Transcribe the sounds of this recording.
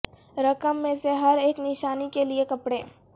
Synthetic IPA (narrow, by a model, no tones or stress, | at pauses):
ɾɐkəmːẽseɦɐɾeːknɪʃaːnikeliekɐpɽeː